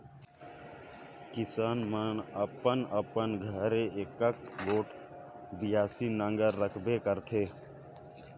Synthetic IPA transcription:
kɪsaːnmənəpənəpənɡʱəɾeekəkboːʈ | b̪ɪjaːsinə̃ŋɡəɾːəkʰbekəɾt̪ʰeː

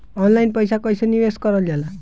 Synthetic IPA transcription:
ɔnlajnpɔjsakɔjsɔniweskɔɾɔala

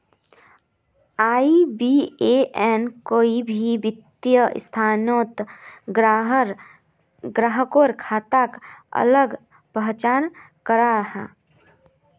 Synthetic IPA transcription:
aːibieʔɛːnkoːibʱibɪt̪jəɪ̰st̪ʰaːnoːt̪ɡɾaɦɾ | ɡɾaɦəkoːɾkʰaːt̪akə̰ləɡ | pəɦt͡ʃaːn | kəɾaɾɐɦa̰ː

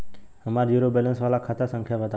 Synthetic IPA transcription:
ɦəmaɾjuɾobɛlə̃nsʋalakʰat̪ʰasə̃ŋkʰjaʋət̪a

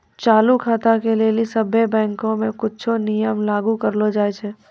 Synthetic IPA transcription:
t͡ʃaːlukʰaːt̪akelelisəbebɛ̃ːŋkõmẽkʊtːt͡ʃʰonɪjəmlaːɡukəɾlod͡ʒaːet͡ʃʰeː

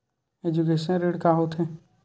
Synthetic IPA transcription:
ed͡ʒukeːʃə̃nɾeːɽkaːɦoːt̪ʰɦẽː

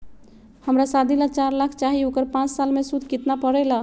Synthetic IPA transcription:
həmɾasad̪ʱilat͡ʃaɾlakʰt͡ʃaɦiokəɾpãt͡ʃsalmesud̪ʱkit̪napəɾɛla

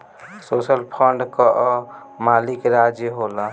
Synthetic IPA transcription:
sosəlpʰəɳɖkəʔ | malikɾad͡ʒjəɦola

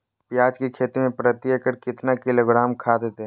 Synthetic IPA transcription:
pjaːd͡ʒkekʰeːt̪imẽpɾət̪jəkəɾkɪt̪nakɪloːɡɾaːmkʰaːd̪et̪e

